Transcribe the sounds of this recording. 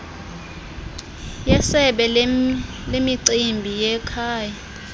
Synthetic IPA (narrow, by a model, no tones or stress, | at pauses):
jɛsɛɓɛ | lemiǀimbʱijɛkʰaːja